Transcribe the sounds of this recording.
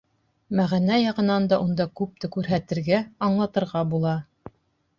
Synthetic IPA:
mæʁænæjɑʁɤ̆nɑnd̪ɑʔund̪ɑkʉp̚t̪ɘkʉɾɦæt̪ɘ̆ɾɡæɑɴlˠɑt̪ɤ̆ɾʁɑbulˠɑ

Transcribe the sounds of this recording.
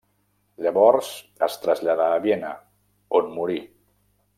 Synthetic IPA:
ʎəβɔɾz̥ | əst̪ɾəzʎaðaːβjenə̰ | onmuɾi

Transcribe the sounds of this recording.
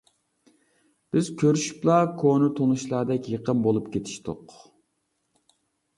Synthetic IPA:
b̥ɪzkʲʰøɾyʃy̥plˠɑkʰonɨt̪ʰonuʃlˠɑːd̪ɛkʲjəqəmbolˠupkʲet̪ʰi̥ʃt̪ʊ̰q

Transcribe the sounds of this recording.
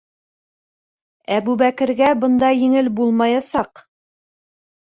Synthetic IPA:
æbʉβækɘ̆ɾɡæbɤ̆nd̪ɑjɘ̆ŋɘlbulˠmɑjɑsɑq

